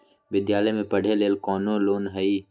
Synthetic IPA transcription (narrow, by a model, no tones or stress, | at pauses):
ʋɪd̪jaːləjmẽpɐɽ̤ʱeleːlkɔːnoloːnɦəi